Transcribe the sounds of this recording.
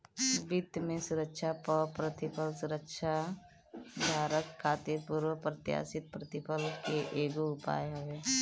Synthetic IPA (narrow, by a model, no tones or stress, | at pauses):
bɪd̪mẽsʊɾəkʃapəpɾət̪ɪpʰəlsʊɾəkʃa | d̪ʱaːɾəkʰːaːt̪iɾpuɾwəpɾət̪ja̰ːsɪt̪̚pɾət̪ɪpʰəlkeʔeːɡoʊpa̰ːjɦoʋe